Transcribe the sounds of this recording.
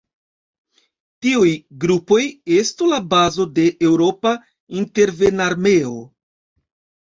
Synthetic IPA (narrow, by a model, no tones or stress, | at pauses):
tiujɡɾupo̞je̞stulabazo̞de̞ʔe̞wɾo̞pa | inte̞ɾve̞naɾme̞o̞